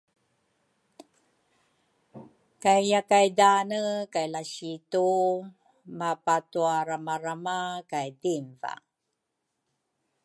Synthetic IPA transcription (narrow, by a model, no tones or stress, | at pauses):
kajjakajdanəkajlaɕitu | mapatuaɾamaɾamakajdimva̰